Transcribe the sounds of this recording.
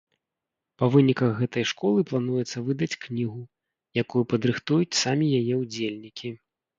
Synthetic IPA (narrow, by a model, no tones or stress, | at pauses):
pɐvɨnʲikɐɣɣɛt̪ɐjʂkɔlˠɨplˠanujɛt̪sːɐvɨd̪ɐt͡sʲknʲiɣu | jakujupɐd̪ɾɨxt̪ujut͡sʲsamʲijajɛud͡zʲelʲnʲikʲi